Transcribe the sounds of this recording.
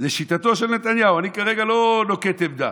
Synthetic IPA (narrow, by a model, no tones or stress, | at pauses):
zeʃit̪at̪o̞ʃelnet̪anjauanikaʁeɡalo̞no̞ket̪evd̪a̰